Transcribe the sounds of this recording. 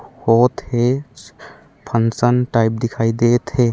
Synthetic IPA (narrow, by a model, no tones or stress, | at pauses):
hot̪he | pʰənsənʈajp̚d̪ɪkʰaid̪et̪ɦe